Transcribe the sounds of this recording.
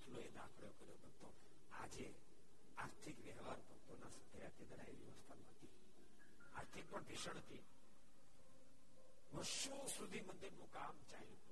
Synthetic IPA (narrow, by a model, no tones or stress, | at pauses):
t̪ʰloed̪a̰kʰɭjokəɾjobəɡt̪o | a̰d͡ʒe | aɾt̪ʰikʋjəɦʋaɾbʱək̚t̪onasəd̪ʱəjak̪ed̪əɽa̰ḭʋjəʋəst̪ʰanət̪i | a̰ɾt̪ʰik̚pəɳd̪iʃəɳ̃t̪i | ʋəɾʃusud̪ʱimənd̪iɾnũkamt͡ʃa̰ɦĩ